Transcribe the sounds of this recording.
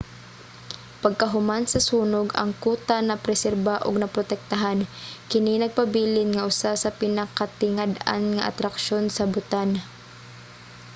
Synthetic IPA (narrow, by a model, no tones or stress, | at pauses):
pɐɡ̚kɐɦʊmansɐsuːnʊɡɐ̰ŋkuːt̪anɐpɾɛsɛɾbaʔʊ̰ɡ̚nɐpɾot̪ɛk̚t̪aɦankɪninɐɡ̚pɐbiːlɪnŋɐʔʊsasɐpɪnakat̪ɪŋad̪a̰nŋaʔa̰t̪ɾɐkʃonsɐbʊt̪an